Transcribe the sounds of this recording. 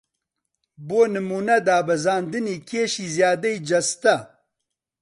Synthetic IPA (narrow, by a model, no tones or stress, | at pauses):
boːnɨmuːnɐd̪aːbɐzaːnd̪ɨniːkʰeːʃiːzjaːd̪ɐid͡ʒɐst̪ɐ